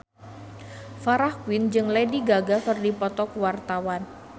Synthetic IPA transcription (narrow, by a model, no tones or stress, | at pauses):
faɾahkwind͡ʒɨŋlediɡaɡakɨrdipɔt̪ɔkwart̪awan